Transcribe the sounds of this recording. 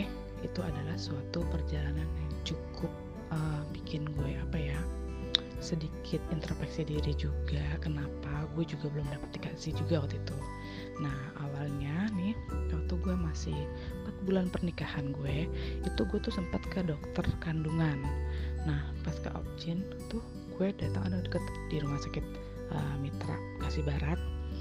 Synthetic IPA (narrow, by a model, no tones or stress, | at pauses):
h | it̪uadalahsuat̪upərd͡ʒalananjaŋt͡ʃukʰʊp̚ | əːbikʰɪnɡuɛʔapaja | sədikʰɪt̪̚int̪ərfɛksidiɾid͡ʒuɡakənapaɡuɛd͡ʒuɡabəlʊmdapət̪̚nikasɪhd͡ʒuɡawat̪it̪u | nah | awalɲanɪhkalt̪uɡuɛmasɪh | pat̪̚bulanpərnikahanɡuɛit̪uɡuɛt̪usəmpat̪kədɔk̚t̪ərkanduŋanːahpaska̰ʔɔ̰p̚t͡ʃɪn | t̪ʊh | ɡuɛdat̪aŋandudəkət̪diɾumahsakɪt̪̚ | ʔə̰mit̪ɾa̰ | kasihbaɾat̪̚